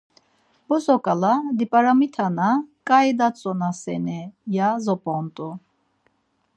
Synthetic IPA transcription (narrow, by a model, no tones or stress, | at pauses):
bɔzɔkʼalad̪ipʼaɾamit̪ʰanakʼajd̪at͡sʼɔnasɛ̰nɛjazɔpʼɔnt̪ʼu